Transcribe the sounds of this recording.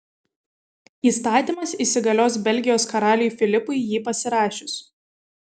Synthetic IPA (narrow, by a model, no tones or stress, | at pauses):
iːst̪ɑːt̪ʲiːˑmɐsiːsʲɪɡɐlʲoːsbʲɛlʲɡʲɪjoːskɐɾɑːlʲɪjuˑfʲɪlʲɪpʊɪjiːpɐsʲɪɾɑːʃʲʊs